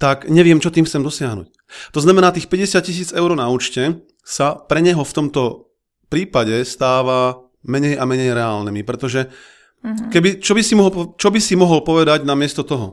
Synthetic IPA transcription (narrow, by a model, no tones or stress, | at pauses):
t̪akɲɛʋɪɛmt͡ʃɔt̪iːmxt͡sɛmd̪ɔsɪaɦnṵc̚ | t̪ɔznamɛnaːt̪iːxpɛɟɛsɪat̪̚cis̬iːd͡zɛʊɾnauːt͡ʃcɛ | sapɾɛɲɛɦɔft̪ɔmt̪ɔ | pɾiːpaɟɛst̪aːʋa | mɛɲɛjamɛɲɛjɾɛaːlnɛmipɾɛt̪ɔʒɛ | kɛbit͡ʃɔbisimɔɦɔpt͡ʃɔbisimɔɦɔlpɔʋɛd̪aɟnamɪɛst̪ɔt̪ɔɦɔ